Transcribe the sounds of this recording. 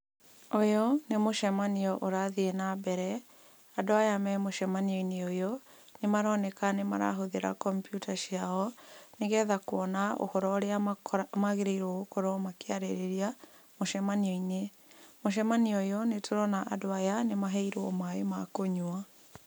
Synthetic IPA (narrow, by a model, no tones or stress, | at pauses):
ojɔnemoʃɛmaniɔʔoɾaðienabɛɾɛ | adoajamɛmoʃɛmaniɔineojɔ | nemaɾɔnɛkanema̰ɾa̰ɦoðeɾa̰kɔmpjutʰaʃiaɔneɣɛðakwɔnao̰hɔɾɔɾeamaɣeɾeiɾwɔokoɾɔmakeaɾeɾeɾia | moʃɛmaniɔine | moʃ̬ɛmaniɔjɔnetʰoɾɔnaʔadoajanemaɦɛiɾɔmaemakoɲua